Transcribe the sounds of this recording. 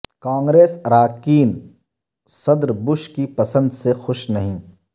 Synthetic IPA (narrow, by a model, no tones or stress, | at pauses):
kãːŋɡɾeːsɾaːkiːn | sɐd̪ɾbʊʃkipɐsə̃nd̪sexʊʃnɐɦĩː